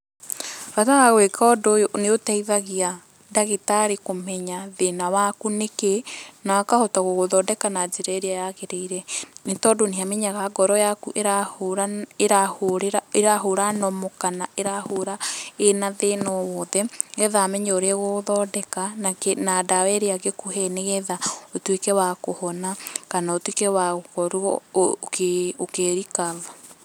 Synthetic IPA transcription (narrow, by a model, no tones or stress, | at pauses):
βataɣaɣwekʰɔdooneotɛiðaɣia | daɣetaɾekomɛɲaðenawakunekenakahotaɣoɣoðɔdɛkanad͡ʒeɾaeɾeajaɣeɾeiɾɛnetɔːdoneameɲaɣaɡɔɾɔjakuʔeɾa | eɾahoɾeɾaeɾaɦoɾanɔmɔkanaʔeɾahoɾaenaðenɔwɔðɛɣɛðaːmɛɲɛoɾɛɣoðɔdɛkanaenadawɛɾeaɣekuɦɛneɣɛðaotwekɛwakohɔnakanaotwekɛwaɣokɔɾuɔ̰keokeɾikaða